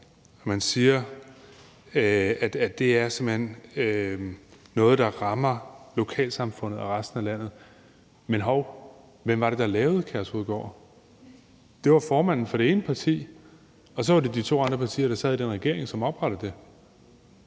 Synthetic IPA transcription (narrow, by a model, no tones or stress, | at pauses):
ɒmænsiːɐ | æd̥æd̥e̝æɐsemhen̰ | ɔ̽ːð̞̩ˠd̥ɑ̈ʁɑ̈mɐlo̝kʰɛ̰ːlsɑ̈mfɔ̽n̰ð̩ˠæʁɑsd̥n̩ælæn̰ð̩ˠ | menɦɒʊ̰ | ʋem̰ʋɑ̈ɾ̥e̝d̥ɑ̈lɛːʊð̩ˠkʰæɐshoðˠɡ̥ɒ̰ː | d̥e̝ʋɑ̈fɒːmæn̰n̩fɒ̽ɾ̥e̝e̝ːnəpʰɑ̈t͡sʰḭː | ɒ̽s̬ɒʋɑ̈d̥e̝d̥it͡sʰo̝̰ːɑ̈nd̥ʁɐpʰɑ̈t͡sʰḭːɐɾ̥ɑ̈sɛ̰ðˠid̥enʁɛɡ̥e̝ɐ̰e̝ŋsɒ̽mɒ̽b̥ʁɑɾ̥əð̩ˠd̥e̝